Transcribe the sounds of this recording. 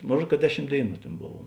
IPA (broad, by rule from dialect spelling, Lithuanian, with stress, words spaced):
ˈmoːn ˈruɔt kɐ ˈdʲæːˌʃʲɪm ˈdʲeːɪˌnuː ˈtʲeːn ˈboːw